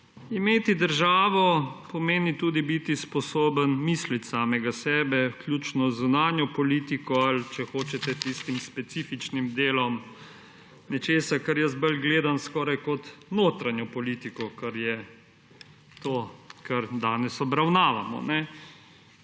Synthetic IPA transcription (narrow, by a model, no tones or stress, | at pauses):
imeːt̪id̪əɾʒaːʋɔpɔmeːnit̪uːd̪ibit̪ispɔsoːbənmiːslit̪saːmɛɡasɛːbɛwklʲjut͡ʃnɔzunaːnjɔpɔliːt̪ikɔalt͡ʃɛxoːt͡ʃɛt̪ɛt̪ist̪imspɛt̪sifit͡ʃnimd̪eːlɔm | nɛt͡ʃeːsakaɾjɛst̪̚bəlɡleːd̪anskɔːɾajkɔt̪noːt̪ɾanjɔpɔliːt̪ikɔkaɾjɛ | t̪oːkaɾd̪aːnɛsɔbɾawnaːʋamɔ̰nɛ